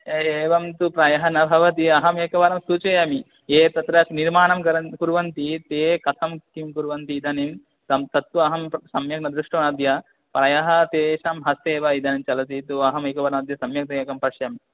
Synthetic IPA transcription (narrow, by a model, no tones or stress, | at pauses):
eːʋɐmt̪upɾɐjɐɦɐnɐbʱɐʋɐt̪̬iɐɦɐmeːkɐʋɐɾɐmsut͡ʃɐjɐmi | eːt̪ɐt̪ɾɐsniɾmaːɳɐmkɐɾɐnkuɾʋɐnt̪it̪eːkɐt̪ʰɐmkimkuɾʋɐnt̪iːd̪ɐnim | t̪ɐmt̪ɐt̪ʋuɐɦɐmsɐmjɐk̚nɐd̪ɾuʂʈɐmnɐd̪jɐ | pɾɐjɐɦɐt̪eːʃɐmɦɐst̪eːʋɐid̪ɐnimt͡ʃɐlɐt̪it̪uɐɦɐmeːkɐʋɐɾɐmɐd̪ʱjɐsɐmjɐk̚t̪ɐjeːkɐmpɐɾʂjɐmi